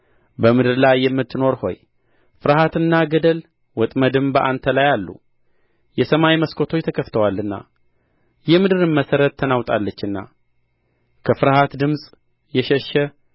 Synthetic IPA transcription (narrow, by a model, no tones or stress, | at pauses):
bəmɨd̪ɨɾlajːɛmːɨt̪ːɨno̞ɾho̞̰j | fɨɾhat̪ɨnːaɡəd̪əl | wɔt̪ʼməd̪ɨmbəʔant̪ʰəlajalːṵ | jɛsəmajməskʰo̞t̪ʰot͡ʃːt̪ʰəkʰəft̪ʰəwalːɨnːa̰ | jɛmɨd̪ɨɾɨnməsəɾət̪ʰːənawt̪ʼalːət͡ʃːɨnːa̰ | kʰəfɨɾhat̪d̪ɨmsʼ | jɛʃɛʃːɛ